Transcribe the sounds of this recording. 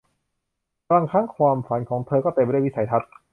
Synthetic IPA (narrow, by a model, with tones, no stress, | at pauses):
la˧ŋkʰaː˥˩ŋkʰwaː˧mfa˩˦nkʰɔː˩˦ŋt̪ʰɤː˧kɔː˥˩t̪e˧mpi˦˥˩sa˩˦jt̪ʰa˦˥t̪̚